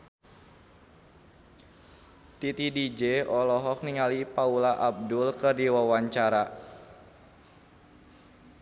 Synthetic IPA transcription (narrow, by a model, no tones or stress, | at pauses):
t̪it̪idid͡ʒeɔlɔɦɔk̚niŋalipaulaʔab̚dʊlkərdiwawaɲt͡ʃaɾa